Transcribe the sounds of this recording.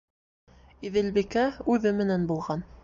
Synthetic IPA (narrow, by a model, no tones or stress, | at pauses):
iðɘ̆lbikæʉðɘmɘ̆nænbulˠʁɑn